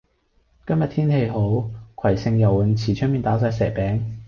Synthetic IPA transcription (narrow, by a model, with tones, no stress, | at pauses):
kɐ˥mjɐ˨t̪ʰiː˥nhe˧jɦo˨˥wkʷʰɐ˨˩jsɪ˧ŋjɐ˨˩wɐ˨˧nt͡sʰiː˨˩t͡ʃʰɵ˥miː˨nt̪aː˨˥s̬aː˧jsɛː˨˩k̚pɛː˨˥ŋ